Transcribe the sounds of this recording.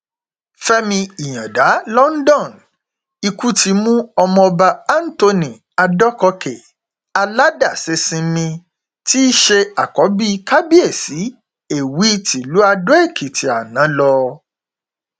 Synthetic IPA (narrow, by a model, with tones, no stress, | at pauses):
fɛ˦mĩ˧i˨j̃ã˨da˨˦lɔ˦n̩˦dɔ̃˦˨n | i˧ku˦ti˧mũ˦ɔ˧mɔ̃˧ɔ˧ba˧a˦n̩˦to˧nĩ˨ | a˧dɔ˦kɔ˧ke˨ | a˧la˦da˦˨se˧sĩ˨˦mĩ˧ | ti˦ʃe˧a˨kɔ˨˦bi˦ka˦bi˦e˦˨si˨˦ | e˦˨wi˦ti˨lu˨˦a˧do˦e˦˨kʰi˨ti˨a˨nã˨˦lɔ˧